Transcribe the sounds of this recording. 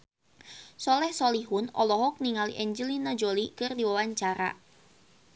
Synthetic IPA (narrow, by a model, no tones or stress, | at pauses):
sɔlɛhsɔliɦʊnɔlɔɦɔk̚niŋaliʔɛɲd͡ʒəlinad͡ʒolikɨrdiwawaɲt͡ʃaɾa̰